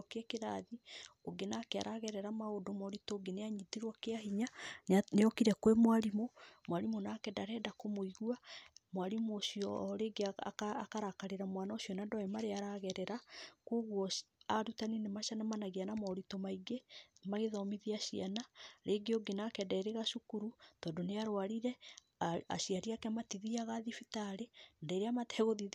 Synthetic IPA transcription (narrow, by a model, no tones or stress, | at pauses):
keɛkeɾaðioɡenakea̰ɾʔaɣɛɾɛɾamaodomɔɾitoːɡeneaɲitiɾwɔkeaɦiɲaneɔkiɾɛkwemwaɾimomwaɾimonakɛdaɾɛːdakomoiɣuamoaɾimoːɕiɔɾeɡea̰kːkaɾakaɾeɾamwanaoɕiɔnadɔemaɾeaɾaɣɛɾɛɾakoːɣwɔaɾutaninemaʃanamanaɣeanamɔɾitomaiɡemaɣeðɔmiðiaʃianaɾeɡeoɡenakɛdaeɾeɣaʃukuɾutɔːndoneaɾwaɾiɾɛ | a̰ʃiaɾiakɛmatiðiaɣaðifitaɾedaiɾeamatɛɣoði